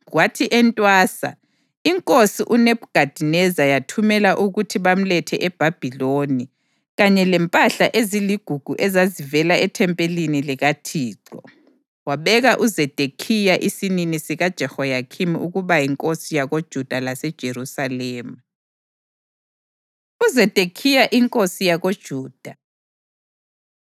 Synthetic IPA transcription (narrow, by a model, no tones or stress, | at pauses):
ɣwatʰiʔɛntʼwaːsa̰ | iŋkʼosiʔuneβuɡ̥ʱad̥ʱinɛzajatʰumɛlaʔuɣutʰiβam̩lɛtʰɛʔɛb̥ʱab̥ʱiloni | ɣaɲɛlɛmpʼaɬaʔeziliɡ̥ʱuɡ̥ʱuʔɛzazivɛlaɛtʰɛmpʼeliniliɣatʰiːǀɔ̰ | waβɛɣaʔuzɛd̥ʱekʰijaʔisininisiɣad̥ʒ̥ʱɛhɔjakʰimiuɣuβajiŋkʼosijaɣod̥ʒ̥ʱud̥ʱalasɛd̥ʒ̥ʱeɾusalɛːmu | uzɛd̥ʱekʰijaʔiŋkʼosijaɣod̥ʒ̥ʱuːd̥ʱa